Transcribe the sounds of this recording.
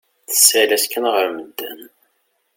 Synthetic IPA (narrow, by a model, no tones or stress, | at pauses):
θə̥sːælæskːənʁəɾməd̪ːæ̰n